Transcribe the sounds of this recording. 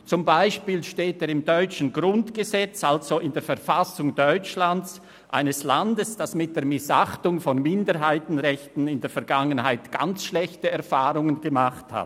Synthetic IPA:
t͡sʊmbaɪʃpiːlʃteːteːɾɪmdɔʏt͡ʃn̩ɡʁʊntɡ̥əzɛt͡sʔalz̥oʔɪndeːfɛɐfasʊŋdɔʏt͡ʃlant͡s | ʔa̰ɪnəslandəsd̥asmɪt̚d̥eːɐmɪsaχtʊŋfɔnmɪndəɾɦaɪtn̩ʁɛçtn̩ɪndeːɐfɛɐɾɡaŋənhaɪtɡ̥a̰nt͡sʃlɛçtəɛɐʁfaːʁʊŋənɡəmaχtha̰t

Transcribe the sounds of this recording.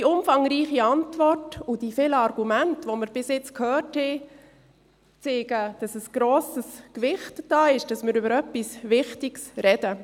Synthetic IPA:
d̥iʊmfɑŋɾiːχiɑntʋɔrtʊd̥ifɪlɑɾɡ̥umæntʋoməɾb̥ɪsɪt͡skʰhœːrthɛ | t͡seːɡ̥əd̥ɑsəsɡ̥ɾoːsəskʋɪχtd̥ɑːɪʃd̥ɑsmɪɾʏbəɾœpːisvɪχtɪɡsɾɛd̥ə

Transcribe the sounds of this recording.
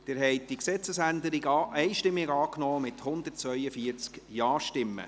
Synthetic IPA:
d̪̥ɪɾɦɛɪt̚d̥iksɛt͡səsænd̪əɾiɡɑʔɛɪʃtɪmːɪɡɑːknɔːmɪt̪hʊnd̪əɾtt͡sʋœʏəfiəɾt͡skjɑːʃtɪmːə̰

